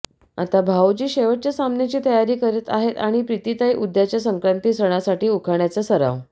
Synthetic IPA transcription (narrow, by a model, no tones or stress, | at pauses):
a̰t̪abʱawd͡ʑiːɕeʋəʈ̚t͡ɕjasamnjat͡ɕiːt̪əjaɾiːkəɾet̪a̰ɦet̪aɽ̃ipɾit̪iːt̪ajʔud̪jat͡ɕjasəŋkɾant̪iːsɾəɽ̃asaʈiːukʰaɳjat͡səːsəɾa̰ʋ